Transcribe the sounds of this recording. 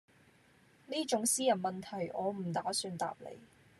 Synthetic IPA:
niː˥t͡ʃʊ˨˥ŋsiː˥jɐ˨˩nmɐ˨nt̪ʰɐ˨˩jʔɔː˨˧m̩˨˩t̪aː˨˥syː˧nt̪a̰ː˨p̚lḛ˨˧j

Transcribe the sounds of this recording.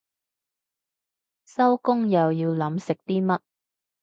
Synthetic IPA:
sɐ˥wkʊ˥ŋjɐ˨wjiː˧wlɐ˨˥msɪ˨k̚t̪iː˥mɐ˥t̚

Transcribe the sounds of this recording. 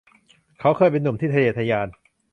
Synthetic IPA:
kʰa˦˥wkʰɤː˧jpe˧nːu˨˩˦mt̪ʰiː˥˩a˧jeː˧˩t̪ʰa˧jaː˧n

